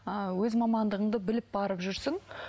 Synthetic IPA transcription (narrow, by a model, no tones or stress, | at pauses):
əwɵzmɑmɑnd̪əʁəɴd̪əbɪlɪp̚bɑɾəpʒʏɾsɪŋ